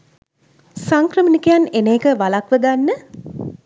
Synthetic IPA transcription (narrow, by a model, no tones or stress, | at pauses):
saŋkrəmənikəjanenejːkəʋalakʋəɡanːə